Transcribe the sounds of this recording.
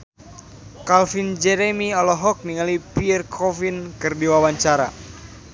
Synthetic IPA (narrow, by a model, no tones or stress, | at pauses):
kalfind͡ʒɛɾɛmiɔlɔɦɔk̚niŋalipirkʰɔfinkɨrdiwawaɲt͡ʃaɾa̰